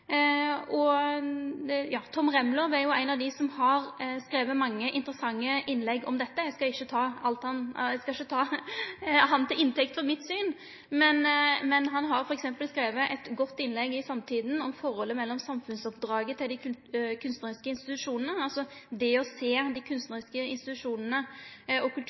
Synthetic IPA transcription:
ɔ | jɑːt̪ʰɔmɾɛmlɔʋæɾjʊæɪnɑʋd̪ɪsɔmhɑɾskɾeːʋəmɑŋːəʔɪnt̪əɾəsɑŋːəʔɪnːlɛɡɔ̰md̪ɛt̪ːəɛskɑɪʃːət̪ʰɑːɑlt̪hɑnskɑɪʃːət̪ʰɑː | ɦɑnt̪ʰɪlɪnt̪ʰɛkt̪fɔɾmɪt̪syːn | mɛnmɛnɦɑnɦɑɾfɔɾɛksɛmpəlskɾeːʋəʔɛt̪ɡɔt̪ːɪnlɛɡɪsɑmt̪ʰiːd̪n̩ɔmfɔɾhɔlːəmɛlːɔmsɑmfʉnsɔpd̪ɾɑːɡət̪ʰɪld̪ɪkʰʉnst̪nəɾɪskəɪnst̪ɪt̪ʉʂuːnənəɑlsɔd̪ɛɔseːd̪ɪkʰʉnst̪nəɾɪskəɪ̰nst̪ɪt̪ʉʂuːnənəɔkʰʉlt̪ʰ

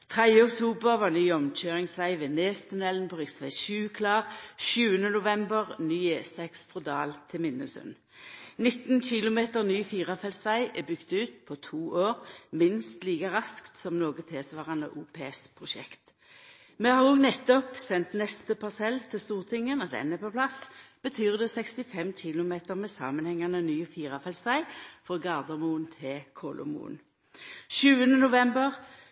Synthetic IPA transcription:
t̪ʰʁɛd̪jəɔkt̪ʰuːbəʁʋɑːʁnyːɔmc͡çøːʁɪŋsʋæɪʋeːneːst̪ʰʉnɛlnpʰɔʁɪsʋæɪʃʉːkʰlɑːʁʃʉːənənʊʋɛmbəʁnyːesɛksfʁʊd̪ɑːlt̪ʰɪmɪnəsʉ̰n | nɪt̪nçɪlʊmeːt̪əʁnyːfiːʁɑfɛlsʋæɪʔɛːbʏkt̪ʉːt̪̚pʰot̪ʰuːʔoːʁmɪnst̪liːkəʁɑskt̪sɔmnoːɡət̪ʰeːsʋɑːʁɑnə̰ʔuːpʰeːspʰʁʊʃɛ̰kt̪ | meːhɑʁnoːɡnɛt̪ːɔpsɛnt̪nɛst̪əpʰɑʁsɛlt̪ʰɪlst̪uːʁt̪ʰɪŋənɔd̪ɛ̰nəpɔplɑsb̥ət̪ʰyːʁd̪ɛːsɛkst̪ɪfɛmçɪlʊmeːt̪əʁmɛsɑ̰ːmənhɛŋːɑnənyːfiːʁɑfɛlsʋæɪfɔɡɑʁd̪ɑmuːnt̪ʰɪkʰoːlʔɔ̰mṵːn | ʃʉːənənʊʋɛmbəʁ

